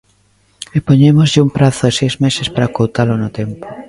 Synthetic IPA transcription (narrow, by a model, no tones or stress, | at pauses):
epoɲemozʎɪumpɾaθʊesejzmesespaɾakowt̪alonot̪empo̥